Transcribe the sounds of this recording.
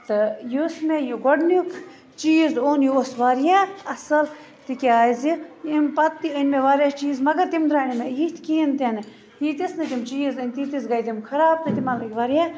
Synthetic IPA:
t̪ɨjusmejuɡoɖnukʰ | t͡ʃiːzoːnjosʋaɾjaɐsɐl | t̪ikʲaːziimpɐt̪ːiɐnʲmeʋaːɾjat͡ʃiːzmɐɡɐɾt̪imd̪ɾaːnimejit̪ʰkiint̪ɐnɨ | jit̪isnɨt̪imt͡ʃiːzɨnʲt̪it̪izɡɐjd̪imkʰɐɾaːb̚t̪ɨt̪imɐlɨkʲʋɐɾja

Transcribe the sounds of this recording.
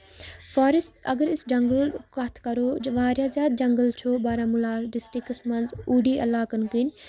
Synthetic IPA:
faːɾist̪ɐɡəɾisd͡ʒɐŋɡəlkɐt̪ʰkɐɾoːd͡ʒʋaːɾʲjaːzʲjaːd̪̚d͡ʒɐŋɡəlt͡ʃʰoːbaːɾãmulaːɖɪsʈikəsmɐnzuːɖiːʔɐ̰laːkɐnkinʲ

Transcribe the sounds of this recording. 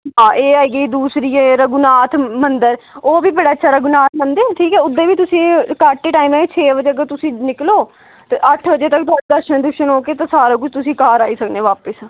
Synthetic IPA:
ɦãːʔeːaːiːɡiːd̪uːsɾiːeːɾəɡʊnaːt̪ʰmənd̪əɾoːbiːbəɽaːət͡ʃːʃʰaːɾəɡʊnaːt̪̚mənd̪eːʈʰiːkɛːʊd̪ːeːʋiːt̪ʊsĩːkaːʈːeːʈaːiːmɛːt͡ʃʰeːʋəd͡ʒeːəɡəɾt̪ʊsĩːnɪkloː | t̪eːʔəʈʰʋəd͡ʒeːt̪ək̚t̪ʊaːɾd̪əɾʃənd̪ʊkʃənɦoːkeːt̪ãːsaːɾãːkʊt͡ʃʰt̪ʊsĩːkaːɾaːiːsəkd̪eːʋaːpəs

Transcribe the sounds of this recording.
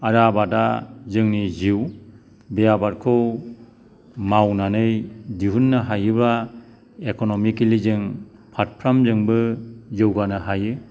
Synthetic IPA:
aɾabadazɯŋniziw | bejabaɾkʰɯw | mawnanɯjdiɦunːɯɦajɯbɾa | ekɔnɔmikilizɯŋpʰat̚pʰɾamzɯŋbɯzɯwɡanɯɦajɯ

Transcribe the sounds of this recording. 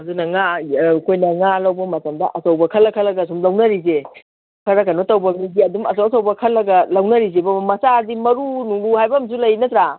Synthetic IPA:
ɐdunɐŋakʰojnɐŋalɐwbɐmɐtɐmdɐ̰ʔɐsɐwbɐkʰɐlːɐkʰɐlːɐɡɐs̬umlɐwnɐɾis̬e | kʰɐɾɐkɐnotɐwbɐmiɡiɐdumɐsɐwɐsɐwbɐkʰɐlːɐɡɐlɐwnɐɾis̬ebɐmɐsadimɐɾunuŋluhajbɐmsulɐjnɐt̪ɾa

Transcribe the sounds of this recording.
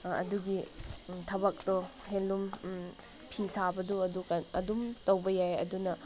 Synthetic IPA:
ɐ̰duɡitʰɐbɐk̚tɔɦelːum | pʰisabɐduɐdukɐɐdumtɐwbɐjajɐ̰dunɐ

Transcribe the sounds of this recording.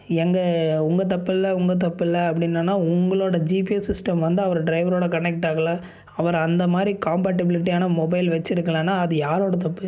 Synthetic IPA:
ɛŋɡɐʊŋɡɐt̪̬ɐpːɪlːɐʊŋɡɐt̪̬ɐpːɪlːɐɐpːɐɽɪnːanːaːʊŋɡɐɭoːɽɐd͡ʒiːpijɐsɪsʈɐmʋɐnd̪ɯɐʋɐɾɖɾɐɪʋɐɾoːɽɐkɐɳɛk̚ʈaːɣɐɭa | ɐʋɐɾɐnd̪ɐmaːd̪ɾikaːmpɛːʈːɪbɪlɪʈ̬ːijaːnɐmɔbɐɪlʋɐt͡ʃːɪɾɯkːɐɭaːnːaːɐðɯjaːɾoːɽɐt̪̬ɐpːɯ

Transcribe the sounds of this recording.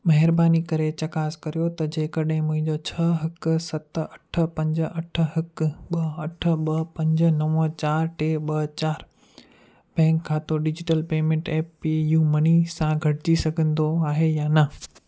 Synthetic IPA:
mɐɦɪɾbaːnikɐɾet͡ɕɐkaːskɐɾijot̪ɐd͡ʑeːkɐɗɦɪ̃mʊ̃ɦɪ̃ɲd͡ʑot͡ɕʰɐɦɐksɐt̪ɐʈʰə̆pɐ̃ɲd͡ʑ̆ɐʈʰə̆ɦɐkɓɐɐʈʰə̆ɓɐpɐ̃ɲd͡ʑə̆nɐʋə̃t͡ɕaːɾʈeːɓɐt͡ɕaːɾ | bɛ̃ːŋkʰːãːt̪oɖɪd͡ʑɪʈəlpeːmẽɳʈɛːpːijuːmɐnisãɡʱɐʈɪd͡ʑisɐɡʱə̃nd̪oaːɦejaːnɐ

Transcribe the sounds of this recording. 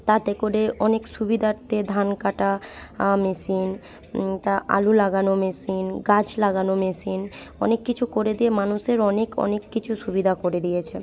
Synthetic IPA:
t̪at̪ekoɾeʔɔnekʃubid̪ʱaɾt̪ed̪ʱankaʈamesin | t̪aʔa̰lulaɡanomeʃinɡad͡ʑlaɡanomesin | ɔ̰nekːit͡ɕʰukoɾed̪ijemanuʃeɾɔnekɔ̰nekːit͡ɕʰuʃubid̪ʱakoɾed̪ijet͡ɕʰe

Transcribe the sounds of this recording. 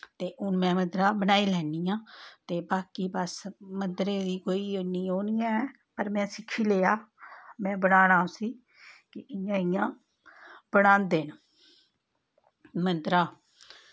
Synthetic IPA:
t̪eːʔʊnmɛ̃ːməd̪ɾaːbənaːiːlɛːnijãːt̪eːbaːkiːbəsmənd̪ɾeːd̪iːkoːiːonĩːoːniːãːɛ | pəɾmɛ̃ːsɪkʰːiːleːaːmɛ̃ːbəɽaːnãːõsiː | kɪɪjãːɪjãː | b̥əɽãːnd̪eːn | mənd̪ɾaː

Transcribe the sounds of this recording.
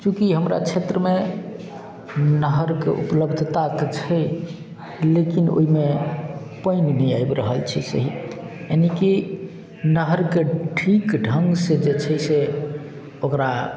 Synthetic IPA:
kũkiɦəmɾa̰t͡ʃʰet̪ɾəme | nəɦəɾkḛʔṵpləbʱd̪ʱt̪aket͡ʃʰəj | lekino̰ime | pəɪnnəjajbɾəɦəlt͡ʃʰɛsə̰ɦi | janiki | nəɦəɾkeʈʰikɖʱəŋɡsẽd͡ʒet͡ʃʰəse | okɾa

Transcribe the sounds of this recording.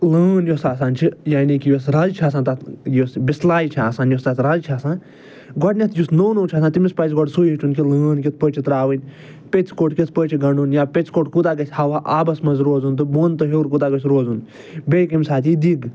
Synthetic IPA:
lɨːnjosaːsaːnt͡ʃʰijaːnikijosɾaːzt͡ʃʰaːsãːt̪ɐt̪josbislaːjit͡ʃʰiaːsaːnjost̪ɐt̪ʰɾaːzt͡ʃʰaːsãːn | ɡɔɖnʲɐt̪ʰjusnownoːt͡ʃʰaːsãːt̪imispaːt͡ʃɡɔɖsuːjiʈʰunkilɨːnkit̪̚ʰpəːt͡ʃʰit̪ɾaːʋɨnʲ | pʲet͡skoʈkʲit̪̚ʰpət͡ʃʰiɡɐɳɖunjaːpʲet͡skoʈkud̪aːɡɐsʲhɐʋaːʔaːbɐsmɐnzɾoːzunt̪ɨboːnt̪ɨɦeɾkud̪aːɡɐt͡ʃʲɾoːzun | bʲejkɐmʲsaːt̪id̪iɡ

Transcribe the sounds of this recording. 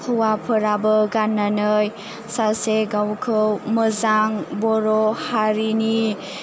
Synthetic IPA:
kʰuwapʰəɾabəɡanːanɯj | saseɡawkʰɯwməzaŋbɔɾɔhaɾini

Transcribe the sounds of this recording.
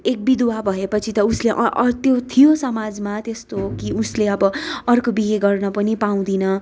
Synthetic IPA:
ek̚bid̪wabʱʌepʌt͡sʰit̪ʌusleʔʌʔt̪jot̪ʰijosʌmad͡zmat̪est̪okiusleʌbʌʌrkobiɦeɡʌrnʌpʌnipaw̃d̪inʌ

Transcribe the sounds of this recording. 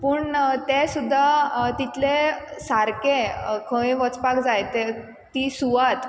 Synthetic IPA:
pəːɳt̪esud̪ʱːat̪it̪lesaɾkẽkʰə̃ẽʋɔt͡spakd͡zajt̪e | t̪isuʋat̪

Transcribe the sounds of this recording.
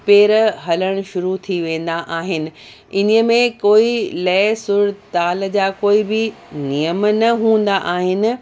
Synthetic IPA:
peːɾɦɐləɽ̃ʃʊɾut̪ʰiʋẽːn̆d̪aʔaːɦɪnɪ̆ | ɪniə̆mẽkoːilɐsʊɽt̪aːld͡ʑaːkoːibɪ | nijəmnɐɦũːn̆d̪aʔaːɦɪnɪ̆

